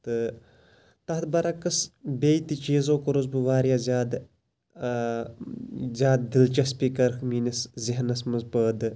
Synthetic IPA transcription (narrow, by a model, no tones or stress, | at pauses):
t̪ɨ | t̪ɐɦt̪̚bɐɾɐkɐsbʲeːjt̪it͡ʃeːzoːkɐɾozbɨʋaːɾjaːzʲaːd̪ | zʲjaːd̪̚d̪ilt͡ʃɐspʲikɐɾxmiːnisziɦnɐsmɨzpəːd̪ɨ